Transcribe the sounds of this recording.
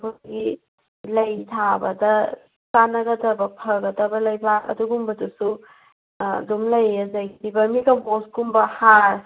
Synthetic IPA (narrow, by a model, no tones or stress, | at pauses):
buɡi | lɐjtʰabɐdɐ | sanɐɡɐtɐbɐpʰɐɡɐtɐbɐlɐjbakɐ̰duɡumbɐdusu | dumlɐjːɐzɐjtibɐmikɐmoskumbɐhaɾ